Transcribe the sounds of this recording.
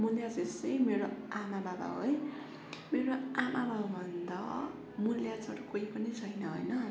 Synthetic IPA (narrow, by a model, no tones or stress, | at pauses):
muljad͡zesʌjmeɾoamababa̰ɦoj | meɾoamababbʱʌnd̪ʌ̰ | muljat͡sʰʌɾukoipʌnit͡sʰʌjnʌɦo̰jnʌ